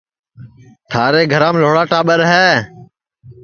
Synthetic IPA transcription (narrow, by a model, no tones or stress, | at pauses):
t̪ʰaːɾeːɡʱəɾãːmloːɽaːʈaːɓəɾɦɛː